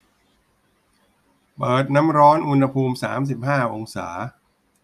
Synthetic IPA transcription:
pɤː˨˩t̪̚na˦˥mɾɔː˦˥nʔu˧nha˧pʰuː˧msa̰ː˩˦ms̬i˨˩p̚haː˥˩ʔo˧ŋsa̰ː˩˦

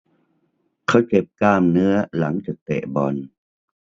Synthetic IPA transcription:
kʰa˦˥wke˨˩p̚kaː˥˩mnɯ˦˥ɐla˩˦ŋt͡ɕaː˨˩k̚t̪ḛ˨˩bɔ˧n

